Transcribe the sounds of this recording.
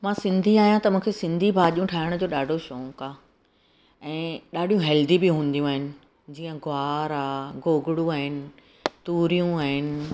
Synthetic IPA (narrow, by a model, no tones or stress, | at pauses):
mãːsɪ̃nd̪ʱiaːɦjãt̪ɐmũːkʰesɪ̃nd̪ʱibʱaːʄijũʈʰaːɪɽ̃ʊd͡ʑoːɗaːɖʱoʃoːkaː | ɛ̃ːɗaːɖʱijũɦɛːld̪ibɪɦũːn̆d̪ijũaːɦɪnɪ̆ | d͡ʑiːə̃ɡʊaːɾaːɡoːɡʊɽũaːɦɪnɪ̆ | t̪uːɾijũaːɦɪnɪ̆